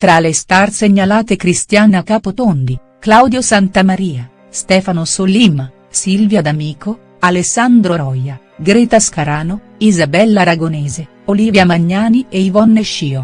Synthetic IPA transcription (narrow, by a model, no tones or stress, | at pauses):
t̪ɾalest̪arseɲːalaːt̪ekɾist̪jaːnakaːpot̪ond̪i | klawd̪josant̪amaɾiːa | st̪ɛːfanosolːima | silvjad̪amiːko | alesːand̪ɾoɾɔja | ɡɾɛːt̪askaɾaːno | izabɛlːaɾaɡonɛːze | oliːvjamaɲːaːnieivɔnːeʃiːo